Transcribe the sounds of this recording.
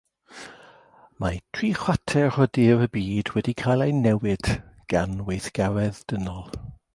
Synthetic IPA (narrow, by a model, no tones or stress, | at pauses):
matʰriːχwatʰɛrɔdiɾəbiːdwɛdikʰajlˠejnɛwɪd̥ɡ̥anwejθɡ̥avɛðd̥ənɔlˠ